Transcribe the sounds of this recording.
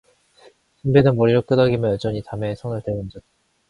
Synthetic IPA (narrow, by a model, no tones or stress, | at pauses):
simbedɯnmoɾiɾok͈ɯdʌɡimjʌnjʌd͡ʑʌɲitame̞sʰʌŋɯɭteɡɯnd͡ʑʌt͈̚a